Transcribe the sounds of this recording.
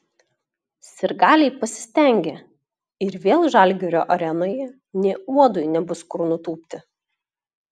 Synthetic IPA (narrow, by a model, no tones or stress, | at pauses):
sʲɪɾɡɑːlʲɛɪpɐsʲɪ̥sʲt̪ʲɛˑŋʲɡʲe | ɪɾʋʲeːlˠʒɑˑlʲɡʲoːɾʲoːʔɐɾʲɛnoːjɛ | nʲeːuɔd̪ʊɪnʲɛbʊskʊɾnʊt̪uːpʲt̪ʲɪ